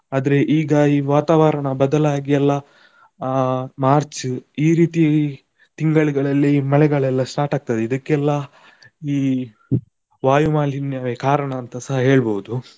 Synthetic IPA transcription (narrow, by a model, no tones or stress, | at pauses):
aːd̪ɐɾeʔiːɡɐiːʋaːt̪aːʋɐɾɐɳɐbɐd̪ɐlaːɡijɛlːɐ | maːɾt͡ʃiːɾiːt̪ijai | t̪iŋɡɐɭiɡɐɭɐlːiːmɐɭɛɡɐɭɛlːɐsʈaːʈaːɡ̚t̪ɐd̪eid̪ɐkːɛlːɐ | iː | ʋaːjumaːlinjaːʋekaːɾɐɳɐːnt̪ɐsɐɦɐɦe̞ːɭboːwud̪u